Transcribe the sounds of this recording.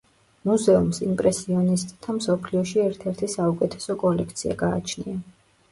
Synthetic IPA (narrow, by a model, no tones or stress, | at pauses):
muzɛumsimpʼɾɛsiɔnist̪ʼt̪ʰamsɔpʰliɔʃiɛɾt̪ʰɛɾt̪ʰisaukʼɛt̪ʰɛ̥sɔkʼɔlɛkʰt̪sʰia̰ɡaːt͡ʃʰnia